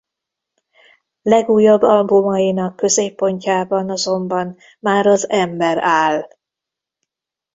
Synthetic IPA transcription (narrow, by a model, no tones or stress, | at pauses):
lɛɡuːjɒbːɒlbumɒjinɒkːø̞zeːpːo̞ɲcaːbɒnɒzo̞mbɒn | maːɾɒzɛmbɛɾaːl